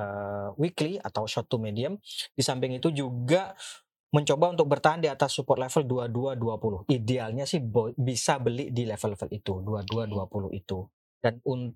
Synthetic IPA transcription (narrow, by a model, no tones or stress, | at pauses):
əwiklia̰t̪awʃɔt̪umediamdisampɪŋit̪ud͡ʒuɡaʔ | məɲt͡ʃobaunt̪ʊk̚bərt̪aɦandiat̪asːupɔrt̪lefəlduaduaduapulʊhidealɲasɪhbbisabəlɪʔdilefəlːɛfəlit̪uduaduaduapulʊ̰hḭt̪u | d̥anun